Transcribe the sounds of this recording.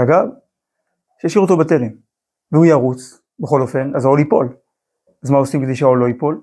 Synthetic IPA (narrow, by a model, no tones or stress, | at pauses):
aɡav | ʃejaʃiʁot̪obat̪e̞lem | veujaʁut͡s | beχo̞lo̞fe̞nazaolipo̞̰l | azmaosimked̪ejʃeaoloipo̞l